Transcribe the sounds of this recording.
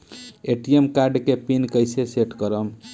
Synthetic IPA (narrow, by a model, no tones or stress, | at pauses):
eʈiemkaɾɖkepinkəjseseʈkəɾəm